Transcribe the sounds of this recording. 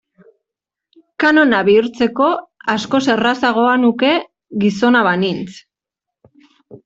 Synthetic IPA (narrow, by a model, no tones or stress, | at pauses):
kano̞naβiuɾt͡se̞ko̞asko̞se̞rasaɣ̞o̞anuke̞ | ɣiso̞naβanint͡s